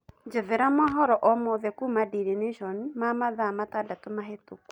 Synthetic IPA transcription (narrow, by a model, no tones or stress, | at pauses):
ɲd͡ʒeðeɾamɔɦɔɾɔʔɔmɔðɛkumadiɾeneʃɔnimamaðamatadatomaɦetoku̥